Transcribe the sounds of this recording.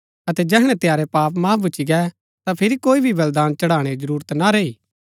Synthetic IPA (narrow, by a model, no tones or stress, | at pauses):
ɐt̪ɛd͡ʒɛːɦɽ̃ɛ̃t̪ejaːɾɛpaːpmaːpʰbʊːt͡ʃʰiɡɛ | t̪apʰɪɾikoːibʱiʋɐld̪aːnt͡ʃɐɽaːɽ̃ed͡ʒɐɾuːɾət̪naɾɐiː